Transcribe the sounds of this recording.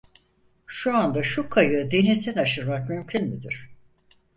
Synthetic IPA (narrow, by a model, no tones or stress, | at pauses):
ʃuand̪aʃukʰajɯd̪e̞nizt̪ænaʃɯɾmak̚mymcʰynmyd̪iɾ̥